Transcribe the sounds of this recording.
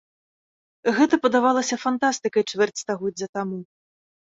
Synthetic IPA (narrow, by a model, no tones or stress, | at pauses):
ɣɛt̪ɐpɐd̪avalˠɐsʲɐfant̪ast̪ɨkɐjt͡ʂvʲɛrt͡sʲst̪aɣɔdd͡zʲɐt̪amu